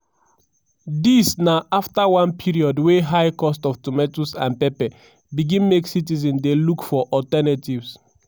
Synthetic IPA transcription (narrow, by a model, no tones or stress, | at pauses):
disnaʔaftawãnpʰiɹiɔdweɦajkɔstɔftumɛtusã̰npɛpɛ | biɡĩnmeksitizɛ̃ndelukfɔʔɔtɛnativs